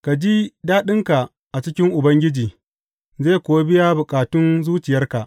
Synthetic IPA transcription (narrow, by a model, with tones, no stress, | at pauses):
ka˨d͡ʒi˦daː˦ɗɪ˦ŋka˨ | ʔa˨t͡ʃɪ˦kʲɪ˦ŋʔʊ˨bɐ˦ŋɡʲɪ˦d͡ʒiː˨ | zeː˦˨kʷoː˨wa˦bɪ˦ja˦bʊ˨kʼaː˨tʊ˦nzuː˦t͡ʃɪ˨jɐ˦rka˨ʔ